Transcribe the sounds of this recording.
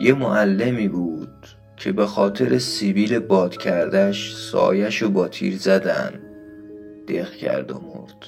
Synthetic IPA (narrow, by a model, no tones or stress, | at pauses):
je̞moʔælːe̞miːbuːd̪̥̚ | cʰe̞be̞xɒːt̪ʰe̞ɾesiviːle̞bɒːd̪̥cʰæɾd̪æʃsɒ̰ːjæʃobɒːt̪ʰḭːɾzæd̪æ̰n | d̪̥excʰæ̰ɾd̪o̰mo̰ɾd̪̥